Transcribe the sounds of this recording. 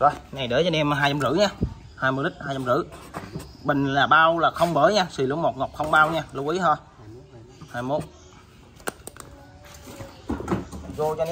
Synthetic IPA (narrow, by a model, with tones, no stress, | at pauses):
zo˧˩jna˨˩jɗɨ̰˨˦t͡ɕɔ˧nɛ˧mɦaː˧jt͡ɕa˧mzɨ̰˧˥ɲaː˧ | haː˧jmo˧ɗï˦˥k̟̚haː˧jt͡ɕa˧mzɨ̰˧˥ | ɓï˨˩ŋ̟laː˨˩ɓaː˧wlaː˨˩xə˧wŋ͡mɓəː˧˩˦jɲaː˧si˨˩lɨ̰˧˥mo˨˩t̚ŋo˨˩k͡p̚xə˧wŋ͡mɓaː˧wɲaː˧lə˨˧wʔi˨˦t̪ʰo˧˩j | haː˧jmo˦˥t̚ | zo˧t͡ɕɔ˧